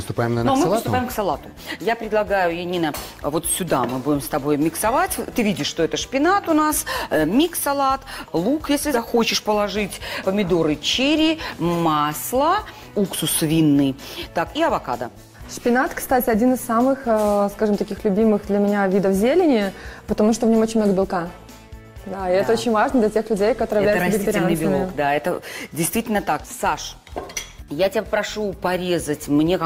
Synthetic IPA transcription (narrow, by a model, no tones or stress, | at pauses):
pɨst̪ʊpajɪmnnomɨt̪ʊpaɪmksɐlˠat̪ʊ | japɾʲɪd̪lˠɐɡajʊjɪnʲːinə | vo̞t̪sʲʊd̪a̰mɨbudʲɪmst̪ɐbojmʲɪksɐvatʲt̪ɨvʲidʲɪʂʂt̪oɛt̪əʂpʲɪnat̪ʊnasmʲiksɐlˠat̪lˠukjesʲlʲɪzɐxot͡ɕɪʂpəlˠɐʐɨtʲpəmʲɪd̪o̞ɾɨt͡ɕeɾʲɪmaslˠə | uksʊsvʲinːɨt̪akiɐvɐka̰d̪ə̰ | ʂpʲɪnat̪kst̪atʲɪɐdʲinɨsːamɨxəskaʐɨmt̪ɐkʲixlʲʉbʲimɨxd̪lʲəmʲɪnʲavʲid̪əfzʲelʲɪnʲɪpət̪ɐmuʂt̪ovnʲomot͡ɕɪnʲmnoɡəbʲɪlˠka | d̪aɪɛt̪əot͡ɕɪnʲvaʐnəd̪lʲɐtʲe̞xlʲʉdʲejkɐtɐoɨɪvlæj̪vʲɪk̪t̪ɐɾʲɪalnnɨbʲɪokd̪aɛt̪ədʲɪjst̪vʲitʲɪlʲnət̪aksaʂ | jatʲɪpɾɐʂupɐɾʲezətʲmnʲe